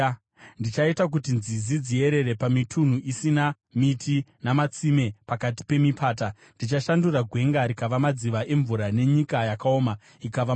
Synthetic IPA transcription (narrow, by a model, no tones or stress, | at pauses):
ndit͡ʃaitak̬utinzizid͡zie̞ɾe̞ɾe̞pamitʰun̤uʔisina | mitʰinamat͡sime̞pakat̬i̥pe̞mipʰaːt̬a | ndit͡ʃaʃanduraɡʱwe̞ŋɡaɾikaʋamad͡ziʋaʔe̞ɱvuɾane̞ɲikajakao̞ːma | ikaʋa